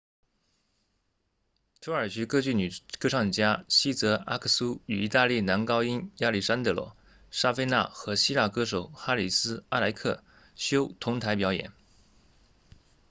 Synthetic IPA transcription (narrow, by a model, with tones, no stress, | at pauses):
t̪ʰu˧˥ə˞˨˩ɕy˧˥kɤ˥t͡ɕy˥˩ny˨˩kɤ˥ʂɑ˥˩ŋ˨˩t͡ɕja˥ɕi˥t͡sɤ˧˥a̰˥kʰə˥˩su˥y˨˩i˧˥t̪a˥˧li˥˩na˧˥nkɑ˥ʊi˥nja˥˧li˥˩ʂa˥nt̪ɤ˧˥lwɔ̰˥˩ | ʂa˥fe˥ɪna̰˥˩xɤ˧˥ɕi˥la̰˥˩kɤ˥ʂo˨˩ʊxa˥li˨˩sɹ̩˥a˥˩la˧˥ɪkʰɤ̰˥˩ | ɕjo˥ʊt̪ʰʊ˧˥ŋt̪ʰa˧˥ɪp̬jɑ˧˥ʊjɛ̰˨˩˦n